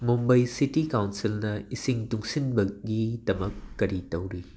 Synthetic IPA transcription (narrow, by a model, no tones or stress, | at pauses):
mumbɐjsitikawnsilnɐisiŋtuŋsinbɐɡidɐmɐkːɐɾitɐwɾi